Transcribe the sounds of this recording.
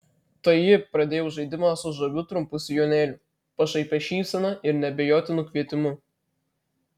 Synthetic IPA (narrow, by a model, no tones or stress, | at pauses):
t̪ɐjɪpɾɐd̪ʲeːjɛʊʒɐɪd̪ʲɪmɑsʊʒɐʋʲʊt̪ɾʊmpʊsʲɪjoːnʲeːlʲʊ | pɐʃɐɪpʲɛʃʲiːsʲɛnɐɪɾnʲɛbʲɛjoːt̪ʲɪnʊkʲʋʲiɛt̪ʲɪmʊ